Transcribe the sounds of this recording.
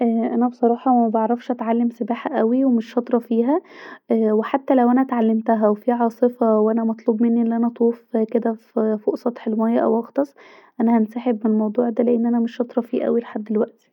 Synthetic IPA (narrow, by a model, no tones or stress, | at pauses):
ʔæʔænæbesˤɑɾˤɑːħɑmæbɑʕɾˤɑfʃʔæt̪ʕalːemsebaːħæʔæwiwemeʃːɑt̪ˤɾˤɑfiːɦæ | weħat̪ːælæwʔænæʔæt̪ʕalːemt̪æɦæwefiʕɑːsˤefɑwʔænæmɑt̪ˤluːbmenːiʔelːʔænæt̪ˤuːfked̪æffoʔsˤɑt̪ˤħelmæjæʔæ̰wʔɑxt̪ˤɑsˤ | ʔænæhænsaːħebmelmɑwd̪ˤuːʕd̪æleʔenːʔænæmeʃːɑt̪ˤɾˤɑfiːʔæ̰wileħad̪ːelwæʔt̪i̥